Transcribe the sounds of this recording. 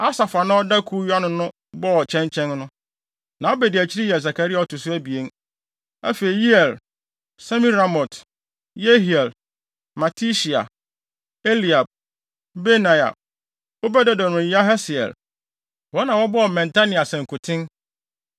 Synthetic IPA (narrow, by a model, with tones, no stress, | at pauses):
a˦sa˨fa˨nã˦ɔ˦da˦kʰu˦ja˦nʊ̃˨nʊ̃˦ | bɔ˦ɔ˨t͡ɕʰɛ̃˦ɲt͡ɕʰɛ̃˦nnʊ̃˦ | nã˨˦o˦bɛ˨dɪ˨æ˨t͡ɕʰi˦ɾi˦jɛ˨s̬a˨kʰa˨ɾi˦a˨ɔ˨tʊ˨sʊ˦æ˦bi˨e˦n | æ̰˦fe˨i˨ji˦ɛ˨l | sa˦mĩ˦ɾa˨mɔ˨t | je˦ɦi˨ɛ˨l | ma˨tʰi˦ʃi˨a̰˨ | e˦li˨a˨b̚ | be˦nã˨ja̰˨b̚ | o˦bɛ˦dɛ˦dɔ˨nʊ̃˨ji˦a˦ɦɛ˦sɪ˨ɛ̰˨l | wɔ˦nã˨wɔ˦bɔ˦˨mɛ̃˨ntʰa˦nĩ˨a˨sɛ̃˨ŋ̩˨kʰʊ˨tʰɪ̃˦n